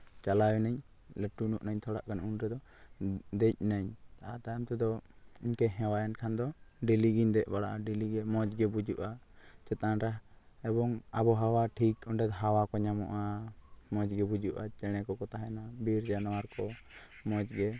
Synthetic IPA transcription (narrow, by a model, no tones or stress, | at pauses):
t͡ʃalawɛnaɲ | ləʈunuʔnaɲt̪ʰɔɽa̰ʔkanunɾɛd̪ɔ | d̪ɛc̚naɲat̪aamt̪ɛd̪ɔ | iɲkɛɦɛ̃wajankʰand̪ɔɖiliɡiɲd̪ɛʔ̚baɽaʔaɖiliɡɛmɔd͡ʒɡɛbud͡ʒuʔa | t͡ʃɛt̪anɾa | ɛbɔŋabɔɦawaʈʰikɔɳɖɛd̪ɦawakɔɲamɔ̰ʔamɔd͡ʒɡɛbud͡ʒuʔat͡ʃɛɽ̃ɛkɔkɔt̪aɦɛnabiɾd͡ʒanawaɾkɔ | mɔt͡ʃɡɛ